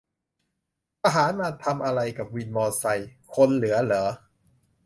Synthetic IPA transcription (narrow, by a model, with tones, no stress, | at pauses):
ta˧ɦaː˩˦nmaː˧t̪ʰa˧mʔa˧ɾa˧jka˨˩p̚wi˧nmɔː˧sa˧jkʰo˧nlɯ˩˦ɐlɤː˩˦